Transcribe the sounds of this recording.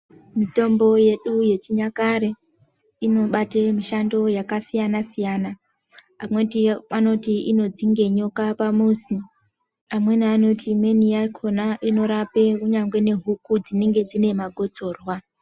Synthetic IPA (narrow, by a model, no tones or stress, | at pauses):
mito̞mbo̞je̞ɗuje̞t͡ʃiɲakaɾe̞ | ino̞ɓatemiʃando̞jakasijanasijana | amwe̞tiano̞tiino̞d͡ziŋɡe̞ɲo̞kapamusi | amwe̞naano̞tʰime̞nijakʰo̞naʔino̞ɾape̞kuɲaŋɡwe̞ne̞ɦukud͡zine̞ŋɡe̞d͡zine̞maɡʱo̞t͡so̞ːrwa